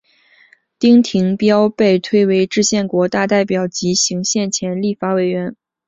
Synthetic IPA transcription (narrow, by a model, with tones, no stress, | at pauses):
t̪i˥ŋt̪ʰi˧˥ŋpjɑ˥ʊpe˥˩ɪt̪ʰwe˥ɪwe˧˥ɪʈ͡ʂɻ̩˥˧ɕjɛ˥˩nkwɔ˧˥t̪a˥˧t̪a˥˩ɪpjɑ˨˩ʊt͡ɕi˧˥ɕi˧˥ŋɕjɛ˥˩nt͡ɕʰjɛ˧˥nli˥˩fa˧˥we˨˩ɪɥɛ˧˥n